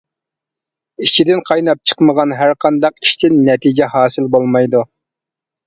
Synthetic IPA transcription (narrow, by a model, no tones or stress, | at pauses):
it͡ʃʰid̪ɪnqʰɑjnɑp̚t͡ʃʰə̥qməʁɑnɦæɾqʰɑnd̪ɑqi̥ʃt̪ʰɪnːɛt̪ʰid͡ʒɛhɑːsɨlbolˠmɑjd̪u